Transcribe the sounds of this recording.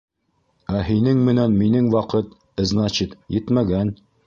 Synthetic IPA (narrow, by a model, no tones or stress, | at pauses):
æɦinɘŋmɘ̆nænminɘŋwɑqɤt̪ | ɤ̆znɑt͡ɕit̪jɘt̪mæɡæn